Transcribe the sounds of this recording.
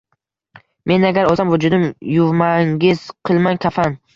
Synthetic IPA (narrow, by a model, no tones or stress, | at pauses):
me̞naɡʲaɾoamvʊd͡ʒʊd̪ɪmjʊvmaŋɡʲɪz̥qʰɨlˠmankʲʰafan